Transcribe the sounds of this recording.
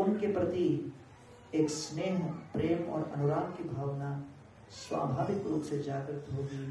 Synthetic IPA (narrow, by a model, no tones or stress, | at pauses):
ʊnkepɾɐt̪i | eːksneːɦpɾeːmɔ̰ːɾɐ̰nʊɾaːmkibʱaːʋna | swa̰ːbʱaːʋɪk̪ɾuːpsed͡ʒaːɡɾɪt̪ɦoɡiː